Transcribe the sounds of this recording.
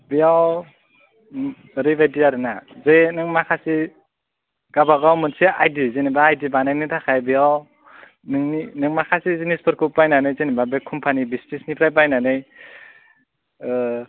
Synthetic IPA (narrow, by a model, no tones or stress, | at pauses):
bijaw | ɾibajdiaɾɯnazejnɯŋmakʰasi | ɡ̥abaɡawmɯnsiajdizenibaːjdibanajnɯtʰakʰajbiaw | nɯŋninɯŋmakʰasizinispʰɯɾkʰubajnanɯjzenibabekʰumpʰanibistisnipʰɾajpbajnanɯj